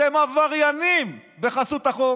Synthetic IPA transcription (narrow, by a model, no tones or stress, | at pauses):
emavaʁjanimbe̞χasut̪aχo